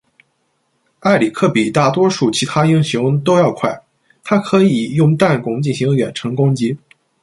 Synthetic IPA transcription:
a˥˩ɪli˨˩kʰɤ˥˩pi˨˩t̪a˥˩t̪wɔ˥ʂu˥˩t͡ɕʰi˧˥t̪ʰa˥i˥ŋɕjʊ˧˥ŋt̪o˥ʊjɑ˥˧ʊkʰwa˥˩ɪ | t̪ʰa˥kʰɤ˧˥i˨˩jʊ˥˧ŋt̪a˥˩nkʊ˧˥ŋt͡ɕi˥˩nɕi˧˥ŋɥɛ̰˨˩nʈ͡ʂʰɤ˧˥ŋkʊ˥ŋt͡ɕi˧˥

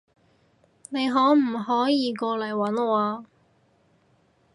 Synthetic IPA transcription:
ne˨˧jɦɔː˨˥m̩˨˩hɔː˨˥jiː˨˧kɔː˧lɐ˨˩jwɐ˨˥nɔː˨˧˩aː˧

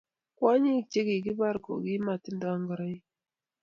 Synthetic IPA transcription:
kwa˦ɲi˦˨t͡ʃe˦ɡi˨ɡi˦ba˦ɾɡo̰˨ɡi˦ma˨tɪ˦n˦da˨˦ŋɡa˨ɾa˦i˦

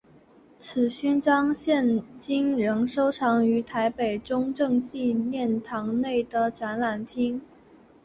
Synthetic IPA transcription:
t͡sʰɹ̩˨˩ɕy˥nʈ͡ʂɑ˥ŋɕjɛ˥˩nt͡ɕi˥ŋɻə˧˥ŋʂo˥ʊʈ͡ʂʰɑ˧˥ŋy˧˥t̪ʰa˧˥ɪpe˨˩ɪʈ͡ʂʊ˥ŋʈ͡ʂɤ˥˧ŋt͡ɕi˥˧njɛ˥˩nt̪ʰɑ˧˥ŋne˥˩ɪd̪ə˩ʈ͡ʂa˧˥nla˨˩nt̪ʰi˥ŋ

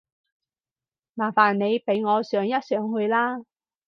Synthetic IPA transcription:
maː˨˩faː˨˩nne˨˧jpe˨˥jŋɔː˨˧sœː˨˥ŋjɐ˥t̚sœː˨˥ŋɦɵ˧ɥlaː˥

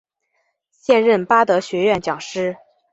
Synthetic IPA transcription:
ɕjɛ˥˧nɻə˥˩npa˥t̪ɤ˧˥ɕɥɛ˧˥ɥɛ˥˩nt͡ɕjɑ˨˩ŋʂɻ̩˥

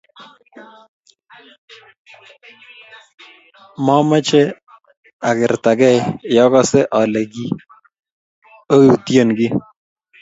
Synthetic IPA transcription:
mɔ˦mɛ˦t͡ʃe˦ | a˨kɪ˨ɾta˨ɡɛ˦˨jjɔ˦kɔ˦sɛ˦ʔɔ˨lɛ˨ɡi˦ | o˦ju˨tje˨nɡi˦

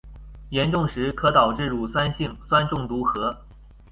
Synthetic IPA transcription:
jɛ˧˥nʈ͡ʂʊ˥˩ŋʂɻ̩˧˥kʰɤ˧˥t̪ɑ˨˩ʊʈ͡ʂɻ̩˥˩ɻu˨˩swa˥nɕi˥˩ŋswa˥nʈ͡ʂʊ˥˩ŋt̪u˧˥xɤ˧˥

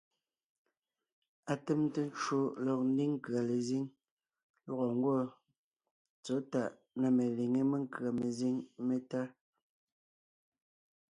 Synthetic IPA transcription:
a˨te˦mte˦n˦t͡ʃo˦lɔ˨k̚n̩˦di˦ŋ˦ka˨le˨zi˦ŋ | lwɔ˦ɣɔ˨ŋ˦ɡwɔ˦ | t͡sɔ˨˦ta˦˨ʔ | na˦˨me˨li˨ŋe˦me˦ŋ̩˦kɰa˨me˨zi˦ŋme˦ta˦

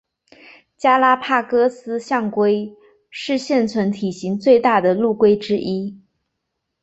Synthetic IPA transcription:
t͡ɕja˥la˥pʰa˥˩kɤ˥sɹ̩˥ɕjɑ˥˩ŋkwe˥ɪ | ʂɻ̩˥˧ɕjɛ˥˩nt͡sʰwə˧˥nt̪ʰi˨˩ɕi˧˥ŋt͡swe˥˧ɪt̪a˥˩d̪ə˩lu˥˩kwe˥ɪʈ͡ʂɻ̩˥ʔi˥

